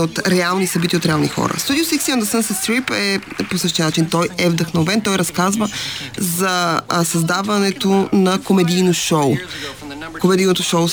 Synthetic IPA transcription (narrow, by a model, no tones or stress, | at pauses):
ot̪ɾɛalˠnisɐbit̪iːot̪ɾɛalˠnixɔ̰ɾə̰st̪ud̪iosiksiə̃nd̪əsənsəsɾipɛposɤʃt̪ijənat͡ʃint̪ɔjɛvd̪ɐxnovɛnt̪ɔjɾɐskazvəzɐsɐzd̪avɐnɛt̪onɐkomɛd̪ijnoʃɔw | komɛd̪ijnot̪ʊʃoʊ